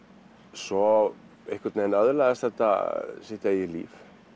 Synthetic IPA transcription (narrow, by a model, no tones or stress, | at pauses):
sɔ | ehkvaɾt̪nenaðʏlaðɛst̪θɛht̪a̰sɪht̪ajɛlḭːf